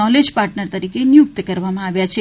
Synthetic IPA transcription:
ɔled͡ʒpaɾʈnəɾt̪əɾikenjʊk̚t̪kəɾʋamãaʋjat͡ʃʰe

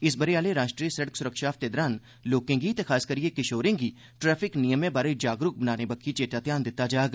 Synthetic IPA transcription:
ɪsbɐɾijaːleɾaːʃʈɾiːsɐɽəksʊɾəkʃaːft̪eːd̪ɾaːn | loːkẽŋɡit̪exʰaːskəɾijekɪʃoːɾɪ̃ŋɡi | ʈɾɛːfʰɪknijəmẽbaːɾed͡ʒaːɡɾʊk̚bənaːnebɐkʰːit͡ʃeːʈat̪jaːnd̪ɪt̪ːad͡ʒaːɡ

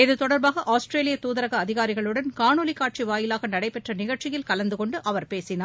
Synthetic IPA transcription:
ɪðɯt̪ɔɽɐɾbaːɣɐʔaːsʈɾeːlɪjɐt̪uːðɐɾɐɣɐːðɪɣaːɾɪɣɐɭɯɽɐnkaːnoːlɪkːaːʈ̚t͡ʃiʋaːjɪlaːɣɐnɐɽɐɪpːɛʈrɐnɪɣɐɭt͡ʃɪjɪlkɐlɐnd̪ɯkɔɳɖɯʔɐʋɐɾpeːsɪnaː

